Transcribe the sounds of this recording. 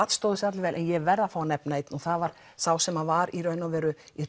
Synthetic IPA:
at̪st̪owðɪsat̪lɪvɛːlʔɛ̰njɛvɛɾðafawanɛpnaejt̪nuθaðvaɾ̥ | saːwsɛmavaɾiɾœnːavɛːɾʏi

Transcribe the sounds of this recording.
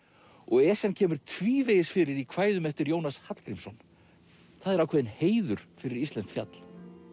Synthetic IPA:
ɔɣɛːsɛncʰɛːmʏɾ̥t̪ʰviːveːjɪsfɪɾɪɾikʰvaːjðʏmɛft̪ɪɾjoːwnashat̪kɾimsɔn | θaðɛɾawkʰvɛːðɪnheːjðʏɾ̥fɪɾɪɾislɛnt̪fja̰t̪l̥

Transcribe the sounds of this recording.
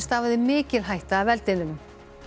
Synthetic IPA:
st̪avaðɪmɪːcɪlɦajht̪aːvɛlt̪ɪðʏnʏm

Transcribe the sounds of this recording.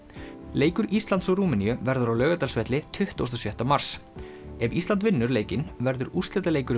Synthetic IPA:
leːjkʏɾist̪lant̪sɔɣɾuːmɪniʏvɛɾðʏɾawlœːɣʏt̪alsvɛt̪lɪt̪ʰʏht̪o̰wst̪ɔsjœht̪amaɾ̥sɛvist̪ant̪vɪnːʏɾleːjcɪnvɛɾðʏɾust̪ɛt̪aleːjkʏɾ

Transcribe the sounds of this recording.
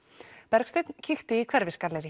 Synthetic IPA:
pɛɾkst̪ejt̪ncʰɪxt̪ɪikʰvɛɾvɪskaɾlejɾɪ

